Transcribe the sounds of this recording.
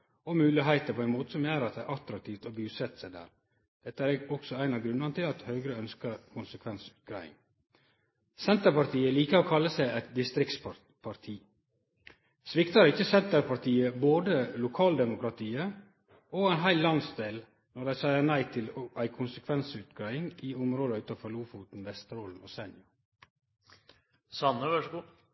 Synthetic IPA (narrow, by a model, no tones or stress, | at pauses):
ɔmʉːlɪɦæɪt̪əpʰoːæɪnmoːt̪ə̥sɔmjæːɾɑt̪̚d̪æɾʔɑt̪ɾɑk̚t̪ʰiːft̪ɔbʉːsɛt̪sæɪd̪æ̰ːɾ | d̪̥ɛt̪ːəæːɾɛɡɔksɔæɪnɑɡɾʉnənət̪ɪlɑt̪hœːɡɾəœnskəɾkʰʊnsəkʰʋɛnsʉt̪ɡɾæɪɪ̰ŋ | sɛnt̪əɾpɑɾt̪iːəliːkəɾoːkʰɑlːəsæɪɛt̪̚d̪ɪst̪ɾɪk̚t̪s | pʰɑɾt̪ʰiː | sʋɪkt̪ɑɾɪçəsɛnt̪əɾpʰɑɾt̪ʰiːəboːd̪əlʊkʰɑːld̪ɛmʊkɾɑt̪ʰiːə | oːæɪnɦæɪllɑnsd̪eːl | nɔɖæɪsæɪənæɪt̪ʰɪlʔæɪkʰʊnsəkʰʋɛnsʉːt̪ɡɾæɪɪŋiːʊmɾoːd̪əʉːt̪ɑfɔɾluːfuːt̪n̩ʋɛst̪əɾɔlmo̰ːsɛnjʊ | sɑnːəʋæʂɡu